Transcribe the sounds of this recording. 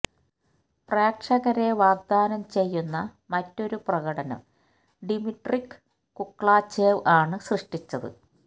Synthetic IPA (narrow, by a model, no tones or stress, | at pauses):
praːkʂɐɣɐɾeʋaːɡ̚d̪aːnɐmt͡ɕe̞jːunːɐ | mɐtːo̞ɾuprɐɣɐɽɐnɐ̰m | ɖimiʈrikː | ukːɭaːt͡ɕːeːʋaːɳɨsrɨʂʈit͡ɕːɐðɨ̰